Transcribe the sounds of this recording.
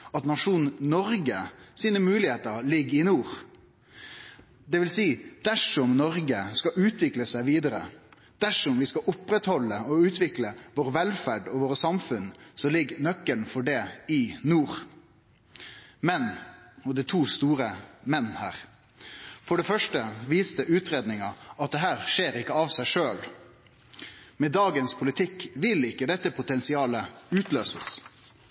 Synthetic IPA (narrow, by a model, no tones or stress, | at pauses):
ɑt̪nɑʂuːnnɔɾɡəsiːnəmʉːlɪheːt̪əɾlɪɡːɪnuːɾ | d̪ɛʋɪlsiːd̪̥æʂɔmnɔɾɡəskɑʔʉːt̪ʋɪkləsæɪʋiːd̪əɾə̰ | d̪̥æʂɔmʋɪskɑʔʊpːɾɛt̪hɔlːəɔʉːt̪ʰʋɪkləʋoːɾəʋɛlfæɖɔʋoːɾəsɑmfʉnsɔlɪɡːnœkːəɳfɔɖɛɪnuːɾ | mɛnɔd̪æɪt̪ʰuːst̪uːɾəmɛnːhæ̰ːʁ | fɔɖɛfœʂʈəʋiːst̪əʔʉːt̪ɾeːd̪nɪŋɑʔɑt̪̚d̪ɛɦæːɾʂeːɾɪkːəɑʋsæɪʂøːl | mɛd̪ɑːɡənspʰʊlɪt̪ʰɪkːʋɪlɪkːəd̪ɛt̪ːəpʰʊt̪ɛnsɪɑːləʉːt̪løːsəs